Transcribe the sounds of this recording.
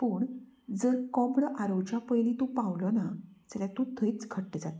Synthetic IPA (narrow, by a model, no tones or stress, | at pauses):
pəːɳd͡zəɾkɔbɽʔaɾowt͡ɕapəjlit̪upawlɔnat͡səljat̪ũt̪ʰəit͡sɡʰəʈːəd͡zat̪